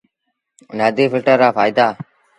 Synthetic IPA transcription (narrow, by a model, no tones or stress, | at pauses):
naːd̪iːfɪlʈəɾaːfaːjd̪aː